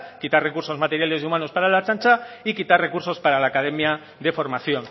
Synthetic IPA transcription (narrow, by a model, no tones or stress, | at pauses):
kit̪aɾre̞kuɾso̞zmat̪e̞ɾjale̞siumano̞spaɾalat͡ʃant͡ʃaikit̪arre̞kuɾso̞spaɾalaːkað̞e̞mja | ðe̞fo̞ɾmaθjo̞n